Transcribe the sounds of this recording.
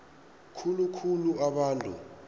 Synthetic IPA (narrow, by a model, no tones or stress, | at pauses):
kʰulukʰuluaɓaːntʼṵ